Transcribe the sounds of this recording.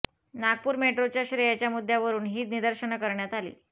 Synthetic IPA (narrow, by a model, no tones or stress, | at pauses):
naɡ̚puːɾmeʈɾot͡ɕjaɕɾejat͡ɕjamud̪ʱːjaʋəɾuːnɦiːt̪nid̪əɾɕənakəɾɳjat̪alḭː